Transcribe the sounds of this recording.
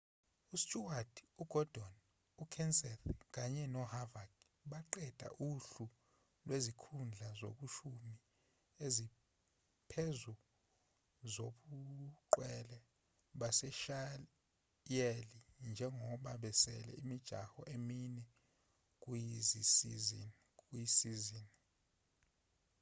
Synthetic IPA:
ustʼuwad̥uɡ̥ʱɔd̥ʱɔn | ukʰɛnsɛθk̬ʼaɲɛnɔhavaɡ | ɓaǃɛd̥ʱa̰ʔuɬu | lwezikʰund͡ɮʱazo̰ɓuʃumi | ezi | pʰɛzu | zoɓuǃwɛlɛ | ɓasɛʃa | jelind͡ʒʱɛŋʱɔɓaɓɛsɛ̰lɛ̰imid̥ʒ̥ʱa̰hɔʔeminɛ | k̬ʼujizis | kujisizini

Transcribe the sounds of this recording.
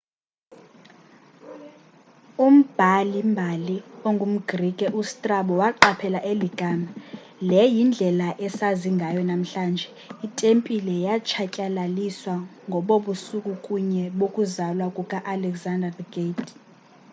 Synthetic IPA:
um̩b̥ʱalimbʱalioŋɡʱum̩ɡrikʼɛʔustʼraɓɔwaǃapʰɛlaʔeliɡ̥ʱaːma | lɛjind͡ɮʱɛlaʔɛsaziŋɡʱajɔnam̩ɬaːnd͡ʒʱɛ | itʼempʼilɛjat͡ʃʰacʼalaliswaŋɡʱɔɓoɓusukʼukʼuɲɛɓokʼuzalwakʼukʼaʔalɛɡzandʱadɡet

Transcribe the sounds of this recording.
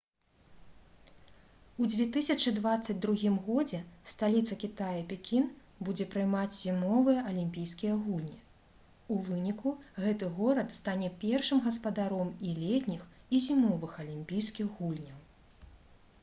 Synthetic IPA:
ud͡zʲvʲɛt̪ɨsʲɐt͡ʂɨd̪vat̪sːɐd͡zʲd̪ɾuɣʲimɣɔd͡zʲɛst̪alʲit̪sɐkʲit̪ajɐpʲɛkʲin | bud͡zʲɛpɾɨjmat͡sʲzʲimɔvɨjɛʔɐlʲimʲpʲijskʲijɐɣulʲnʲi | uvɨnʲikuɣɛt̪ɨɣɔɾɐt̪st̪anʲɛpʲɛrʂɨmɣɐspɐd̪aɾɔmilʲɛt̪ʲnʲixizʲimɔvɨxɐlʲimʲpʲijskʲiɣɣulʲnʲɐw

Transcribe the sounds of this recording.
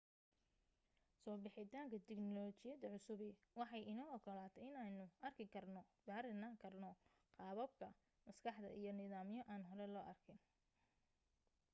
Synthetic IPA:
sɔːbɪħɪt̪ʰaːŋkʰɐt̪ʰɛɡnɔlɔːt͡ʃɪjɐd̪ɐʕʊsʊβɪ | wɑħɑjɪnɐɔkʰɐlaːt̪ʰɐɪnaːnʊʔɐrkʰɪkʰɐrnɔɡaːɾɪnaːŋkʰɐrnɔ | qɑːβɐb̚kʰɐ | mɐskʰɑħd̪ɐ̰ʔḭjɞnɪðaːmjɔʔaːnɦɔɾɛlɔːʔɐrkʰɪn

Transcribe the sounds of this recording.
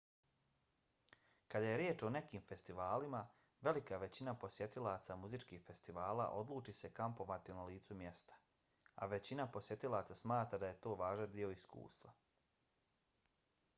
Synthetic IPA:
kad̪aje̞ɾjeːt͡ʃo̞ne̞kiːmfe̞st̪iʋaːlima | ʋe̞likaʋe̞t͡ɕinapo̞sje̞t̪ilaːt̪samuzit͡ʃkiːxfe̞st̪iʋaːla̰ʔo̞d̪lˠuːt͡ʃise̞kampo̞ʋat̪inaliːt̪sumje̞st̪ḁ | a̰ʋe̞t͡ɕinapo̞sje̞t̪ilaːt̪sasmaːt̪ɾad̪aje̞t̪o̞ːʋaːʒand̪io̞iskṵːst̪ʋa

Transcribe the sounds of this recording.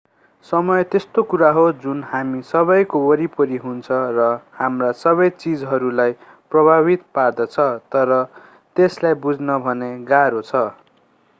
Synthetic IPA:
sʌmʌjt̪est̪okuɾaɦod͡zunhamisʌβʌjkoʌɾipʌɾiɦunt͡sʰʌrʌhamrasʌβʌjt͡sid͡zɦʌɾulaj | prʌbʱaβit̪pard̪ʌt͡sʰʌt̪ʌɾʌ | t̪eslajbud͡znʌbʱʌneɡaɾot͡sʰʌ

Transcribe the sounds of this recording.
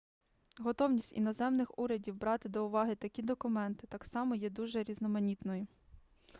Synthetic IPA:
ɦɔt̪ɔwnʲisʲtʲḭnɔzɛmnɪxuɾʲɐdʲiwbɾɑt̪ɪd̪ɔʊʋɑɦɪt̪ɐkʲid̪ɔkʊmɛnt̪ɪ̥t̪ɑksɑmɔjɛd̪uʒɛɾʲiznɔmɐnʲit̪nɔji

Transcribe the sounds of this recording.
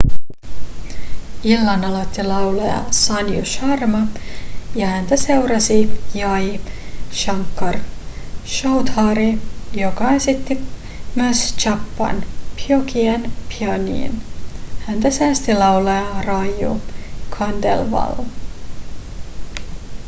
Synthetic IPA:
ilːɑnɑlot̪ːilɑwlojɑ̰sɑnjuʃɑrmɑjɑhænt̪æse̞wɾɑsijɑjʃɑŋkːɑr | ʃowt̪hɑɾijokɑesit̪ːi | myøst͡ʃɑpːɑ̰npʰjokienpʰiɑnḭːnhænt̪æsæːst̪ilɑwlojɑrɑjṵkʰɑndḛlʋɑ̰l

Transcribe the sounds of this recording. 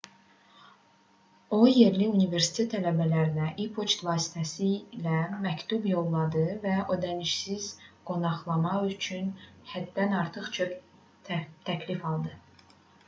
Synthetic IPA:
o̞je̞ɾliunive̞ɾsi̥t̪ʰe̞t̪ʰːælæbælæɾinæʔipʰot͡ʃt̪vɑːsi̥t̪ʰæsilæmæct̪ʰubjo̞lˠːɑd̪ɯvæʔo̞d̪æniʃsizɡ̥o̞nɑχlˠɑmɑyt͡ʃʰynhæd̪̥ːænɑɾt̪ʰɯχt͡ʃʰok | t̪ʰæcʰlifɑlˠd̪ɯ

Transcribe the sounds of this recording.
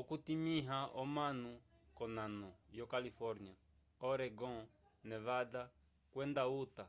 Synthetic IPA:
ɔkutimiɦaɔmanu | kɔnanɔjɔkalifɔɾnia | ɔɾɛɡɔ̃ | nɛβada | kwɛndauta

